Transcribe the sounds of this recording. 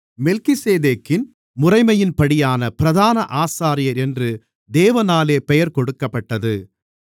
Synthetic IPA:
mɛlkɪseːðeːkːɪn | mʊrɐɪmɐjɪnpɐɽɪjaːnɐpɪɾɐðaːnɐʔaːsaːɾɪjɐɾɛndrɯ | d̪eːʋɐnaːleːpɛjɐɾkɔɽɯkːɐpːɐʈːɐðɯ

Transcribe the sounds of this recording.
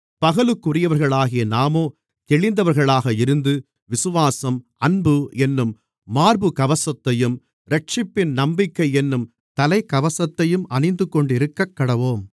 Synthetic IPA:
pɐɣɐlɯkːʊɾɪjɐʋɐɾɣɐɭaːɣɪjɐnaːmoː | t̪ɛɭɪnd̪ɐʋɐɾɣɐɭaːɣɐɪɾɯnd̪ɯ | ʋɪsɯʋaːsɐmɐnbɯɛnːɯmː | aːɾbɯkɐʋɐsɐt̪ːɐjɯm | ɾɐʈ̚t͡ʃɪpːɪnnɐmbɪkːɐɪɛnːɯm | t̪ɐlɐɪkɐʋɐsɐt̪ːɐjɯmʔɐnɐɪnd̪ɯkːɔɳɖɪɾɯkːɐkːɐɽɐʋoːm

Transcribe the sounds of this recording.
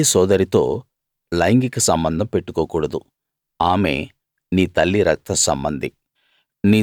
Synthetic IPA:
isɔːd̪ɐɾit̪o̞ː | lɐjŋɡikisɐmbɐnd̪ʱɐmpe̞ʈːukoːkuːɽɐd̪u | aːme̞̰ː | niːt̪ɐlːiɾɐk̚t̪ɐsɐ̰mbɐnd̪i | niː

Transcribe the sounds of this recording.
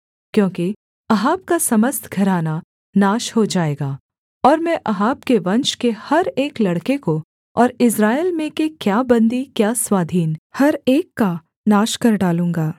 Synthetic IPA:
kjõːki | ɐɦaːb̚kasɐməst̪ʰɡʱɐɾaːna | naːʃɦod͡ʒaːeːɡaː | ɔːɾmɛ̃ʔɐɦaːbkeʋɐ̃nʃkehɐɾeːklɐɽkeko | ɔːɾɪsɾaːelmẽkekjaːbɐ̃nd̪ikjaːswaːd̪ʱiːnhɐɾeːkːa | naːʃkɐɾɖaːlũːŋɡaː

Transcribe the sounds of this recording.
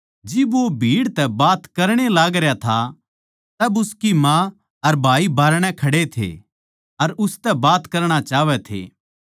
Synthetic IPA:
d͡ʒɪbʋobʱiːɽt̪ɛbaːt̪kɐɾɽ̃elaːɡɾjat̪ʰa | t̪ɐbʊskimã | ɐɾbʱaːibaːɾɽ̃ɛ̃kʰɐɽet̪ʰḛ | ɐɾʊst̪ɛbaːt̪kɐɾɽ̃at͡ʃaːʋɛt̪ʰḛː

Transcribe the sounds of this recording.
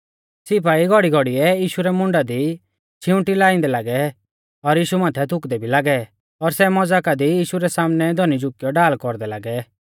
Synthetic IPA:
sɪp̬aːiɡʱɔɽiɡʱɔɽiɛjiːʃuɾɛmʊ̃ɳɖad̪i | t͡ʃʰɪʊ̃ʈilaːĩnd̪ɛlaːɡɛ | ɔɾjiːʃumaːt̪ʰɛt̪ʰʊkd̪ɛbʱilaːɡɛ | ɔɾsɛmɔd͡zaːkad̪ijiːʃuɾɛsaːmnɛd̪ʱɔnid͡ʒʊkijɔɖaːlkɔɾd̪ɛla̰ːɡɛ

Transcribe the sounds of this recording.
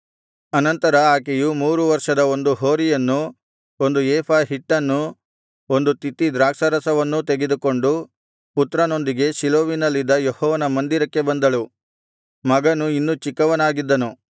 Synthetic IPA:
ɐnɐnt̪ɐɾɐaːkejumuːɾuʋɐɾʂɐd̪ɐo̞nd̪uɦo̞ːɾijɐnːu | o̞nd̪uɛːpʰaːɦiʈːɐnːu | o̞nd̪ut̪it̪ːid̪ɾaːksɐɾɐsɐʋɐnːut̪eɡe̞d̪uko̞ɳɖu | put̪ɾɐno̞nd̪iɡe̞ʃiloːʋinɐlːid̪ːɐjehɔːʋɐnɐmɐnd̪iɾɐkːe̞bɐnd̪ɐɭu | mɐɡɐnuinːut͡ʃikːɐʋɐnaːɡid̪ːɐnu

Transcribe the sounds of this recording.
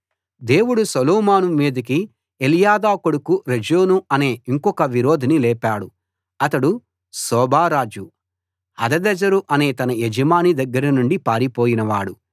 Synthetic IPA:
d̪e̞ːwuɽusɐlɔːmaːnumiːd̪ɐk̬i | elijaːd̪aːkoɽukuɾed͡ʒoːnuɐne̞ːiŋkɔkɐʋiɾoːd̪ʱinilɛːpaːɽu | ɐt̪ɐɽu | sɔːbʱaːɾaːd͡ʒu | ɐd̪ɐd̪ɛd͡ʒɐɾuʔɐne̞ːt̪ɐnɐed͡ʒɐmaːnid̪ɐɡːɐɾɐnuɳɖipaːɾipoːjinɐʋaːɽu

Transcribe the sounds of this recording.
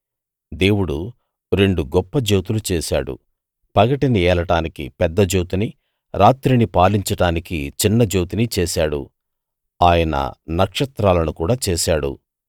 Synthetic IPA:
d̪e̞ːwuɽu | ɾe̞ɳɖuɡɔpːɐd͡ʒoːt̪ulut͡ʃɛːsa̰ːɽṵ | pɐɡɐʈiniɛːlɐʈaːnikḭpɛd̪ːɐd͡ʒoːt̪ini | ɾaːt̪ɾinipaːliɲt͡ʃɐɽaːnikit͡ʃinːɐd͡ʒoːt̪init͡ʃɛːsaːɽṵ | aːjɐnɐ̰nɐkʂɐt̪ɾaːlɐnukuːɽaːt͡ʃɛːsaːɽṵ

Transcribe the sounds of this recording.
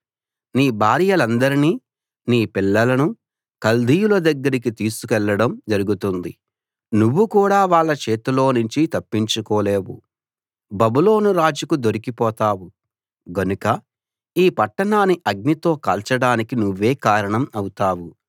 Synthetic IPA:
niːbʱaːɾijɐlɐnd̪ɐɾiniː | niːpilːɐlɐnu | kɐld̪ʱijulɐd̪ɐɡːɐɾik̬it̪iːsu̥kɛlːɐɽɐmd͡ʒɐɾuɡut̪und̪i | nuʋːukuːɽaːʋaːɭːɐt͡ʃeːt̪ulo̞ːnuɲt͡ʃit̪ɐpːiɲt͡ʃukɔːle̞ːwṵ | bɐbulo̞ːnuɾaːd͡ʒukud̪o̞ɾikipɔːt̪aːwu | ɡɐnukɐ | iːpɐʈːɐɳaːniʔɐɡ̚nit̪o̞ːkɐlt͡ʃɐɽaːnikinuʋːe̞ːkaːɾɐɳɐmɐwut̪aːwu

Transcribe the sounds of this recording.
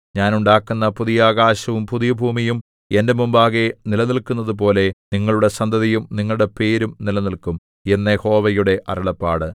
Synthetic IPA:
ɲaːnuɳɖaːkːunːɐpuðijaːɣaːɕɐʋumpuðijɐbʱuːmijum | ende̞mumbaːɣenilɐnilkunːɐðup̬o̞ːle̞niŋːɐɭuɽe̞sɐnd̪ʱɐðijumniŋːɐɭuɽepe̞ːɾumnilɐnilkum | enːeho̞ːʋɐjuɽe̞ʔɐ̰ɾɐɭɐpːaːɽɨ

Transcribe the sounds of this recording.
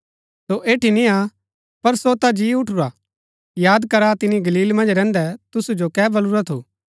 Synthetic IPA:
soʔeːʈinĩa | pɐɾsot̪ad͡ʒiːʊʈʰʊɾa | jaːd̪kɐɾat̪ɪniɡɐliːlmɐ̃nd͡ʒɾɛ̃ːnd̪ɛt̪ʊsud͡ʒokɛːbɐlʊɾat̪ʰo̰ː

